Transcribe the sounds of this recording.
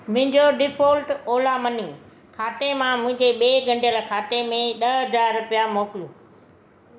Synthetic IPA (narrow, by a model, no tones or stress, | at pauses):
mʊ̃ɦɪ̃ɲd͡ʑoɖɪfʰoːlʈoːlamɐniː | kʰaːt̪emãmʊ̃ɦɪ̃ɲd͡ʑeɓeːɡɐ̃ɳɖʱjəlkʰaːt̪emẽɗɐɦɐd͡zaːɾːʊpijamoːkɪljuː